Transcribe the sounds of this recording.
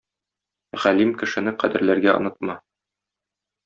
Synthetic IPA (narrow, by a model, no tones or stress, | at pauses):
ʁælimkɘ̆ʃɘ̆nɘqæd̪ɘ̆ɾlæɾɡæŏ̰nɤt̪̚mɑ